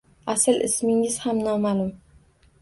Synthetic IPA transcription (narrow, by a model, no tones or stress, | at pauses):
asɪlʔɪ̰smɪŋɪz̥hamnɒmaːlˠʊm